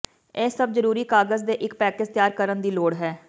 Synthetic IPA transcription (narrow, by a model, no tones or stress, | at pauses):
eːsəb̚zəɾuːɾiːkaːɡəzd̪eːʔɪkpɛːkɪzt̪jaːɾkəɾənd̪iːloːɽɦɛː